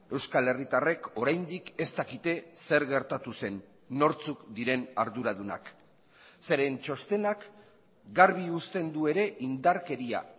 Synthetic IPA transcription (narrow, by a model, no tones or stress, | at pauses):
e̞wskale̞rit̪are̞ko̞ɾajnd̪ike̞st̪akit̪e̞se̞ɾɣe̞ɾt̪at̪use̞nː | o̞ɾt͡sukd̪iɾe̞naɾðuɾað̞una̰k | se̞ɾe̞nt͡ʃo̞st̪e̞nak | ɡaɾβiust̪e̞nd̪ue̞ɾe̞ʔind̪aɾke̞ɾia̰